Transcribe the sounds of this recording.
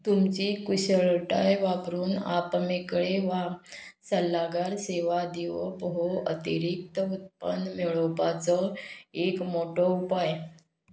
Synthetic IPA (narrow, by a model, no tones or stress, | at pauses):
t̪umt͡ɕikuɕəɭʈajʋapɾuːna̰pmekɭeʋasəlːaɡaɾseʋad̪iʋɔpɦoə̰t̪iɾik̚t̪əut̪̚pənmeɭopat͡sɔekmoʈɔupaj